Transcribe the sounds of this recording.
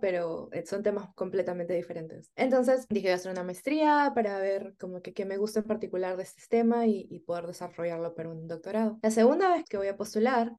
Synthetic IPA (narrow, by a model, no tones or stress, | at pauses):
pe̞ɾo̞ḛso̞nt̪e̞masko̞mple̞t̪ament̪e̞ðife̞ɾe̞nt̪e̞se̞nt̪o̞ns̬e̞sd̪ixejase̞ɾunamaest̪ɾiapaɾaβe̞ɾko̞mo̞keke̞me̞ɣust̪aempaɾt̪ikulaɾðest̪e̥st̪e̞maiipoð̞e̞ɾðe̞saro̞ʝaɾlo̞paɾaund̪o̞k̚t̪o̞ɾaðo̞lase̞ɣund̪aβe̞xkeo̞japo̞st̪ulaɾ